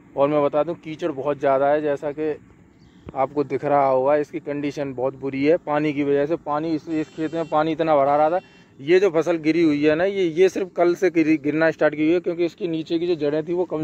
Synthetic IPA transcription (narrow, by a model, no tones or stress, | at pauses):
ɔːɾmɛ̃bɐt̪aːd̪iɦũkiːt͡ʃəɽbɔɦʊt̪zjaːd̪aɦɛd͡ʒɛːsake | aːpkod̪ɪkʰɾaɦaɦoːɡaɪskikɐ̃ɳɖiːʃənbɔːt̪bʊɾiɦɛːpaːnikiʋɐd͡ʒɛs̬epaːniɪsɪskʰɾeːt̪mẽpaːniɪt̪nabɐɽ̤aːɾaɦat̪ʰaː | jed͡ʒoːpʰɐs̬əlɡɪɾiɦʊiɦɛːnajejesɪɾfkɐlseɡɪɾnaɪsʈaːɾʈkiɦɛkjõːkeɪskeniːt͡ʃekid͡ʒoːd͡ʒɐɽẽt̪ʰiʋokɐm